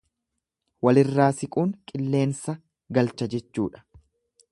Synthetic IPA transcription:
wɐlɪrːaːsɪkʼuːŋkʼɪlːe̞ːnsɐ | ɡɐlt͡ʃːɐd͡ʒɛt͡ʃːuːᶑɐ̥

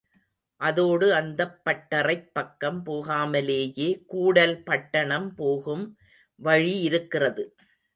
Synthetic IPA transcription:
ʔɐðoːɽɯɐnd̪ɐpːɐʈːɐrɐɪpːɐkːɐmpoːɣaːmɐleːjeːkuːɽɐlpɐʈːɐɳɐmpoːɣɯm | ʋɐɻiɪɾɯkːɪrɐðɯ

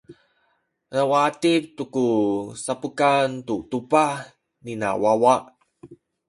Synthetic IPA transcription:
ɾawatip̚tukusapukant̪utupah | nina̰wawaʔ

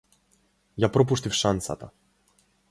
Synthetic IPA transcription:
japɾɔp̬uʂt̪ifʂansa̰t̪a̰

